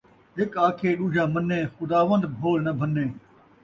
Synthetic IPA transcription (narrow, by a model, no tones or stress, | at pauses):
ɦɪkaːkʰeːɗuːd͡ʒʱãːmənːẽːxʊd̪aːʋənd̪bʱoːlnəbʱənːẽː